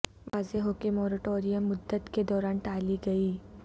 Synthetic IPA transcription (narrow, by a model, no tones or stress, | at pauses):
ʋaːzeɦokemɔːɾəʈoːɾijəmːʊd̪ːət̪ked̪ɔːɾaːnʈaːliɡɐiː